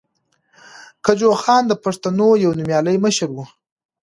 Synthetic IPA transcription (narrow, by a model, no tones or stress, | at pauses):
kad͡ʒoxɑnd̪əpaʂt̪anojawnumjɑləjməʃəɾwu